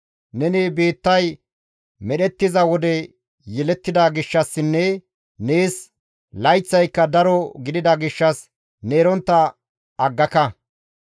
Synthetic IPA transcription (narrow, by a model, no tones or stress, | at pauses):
nɛnibeːt̪ːɐj | mɛɗɛt̪ːɪzɐwɔd̪ɛ | jɛlɛt̪ːɪd̪ɐɡɪʃːɐsːɪnːɛ | neːs | lɐjt͡sːɐjkːɐd̪ɐɾɔɡɪd̪ɪd̪ɐɡɪʃːɐs | neːɾɔnt̪ːɐ | ɐɡːɐkɐ